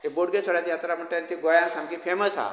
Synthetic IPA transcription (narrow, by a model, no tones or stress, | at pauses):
eboɽɡesʋəɽat̪jat̪ɾaməɳʈant̪ʰiɡojansãmkifʰeməsa̰